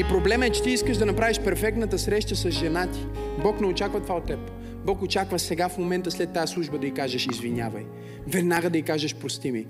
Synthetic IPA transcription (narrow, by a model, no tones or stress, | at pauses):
ipɾoblɛmɛt͡ʃɛ̥t̪iiskəʒd̪ɐnɐpɾaviʃpɛɾfɛk̚t̪nət̪əsɾɛʃt̪əsɐzʒɛnat̪i̥bɔknɛot͡ʃakvət̪ovaot̪ːɛp | bɔkot͡ʃakvəsɛɡafmomɛnt̪əslɛt̪ːaslˠuʒbəd̪ɐikaʒəʃizvinʲja̰vɐ̰j | vɛd̪naɡəd̪ɐikaʒəʃpɾost̪imi